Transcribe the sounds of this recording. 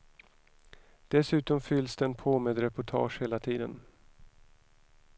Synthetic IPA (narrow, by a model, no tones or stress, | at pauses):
d̪̥ɛsʉ̟ːt̪ɔmfʏlːsd̪ɛːnpʰoːmeːd̪ɾɛpʊʈʰɑ̰ːʂheːlat̪ʰiːd̪ən